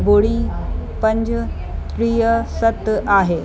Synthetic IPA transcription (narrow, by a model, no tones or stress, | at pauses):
boɽipəɲd͡ʑ | t̪ɾijəsət̪aɦe